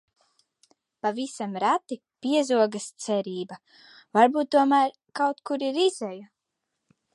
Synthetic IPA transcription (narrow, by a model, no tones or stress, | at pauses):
pavisamɾat̪i | pʲiɛzuɔɡast̪sɛɾiːba | vaɾbuːt̪̚ːuɔmæɾ | kawt̪kuɾiɾizɛju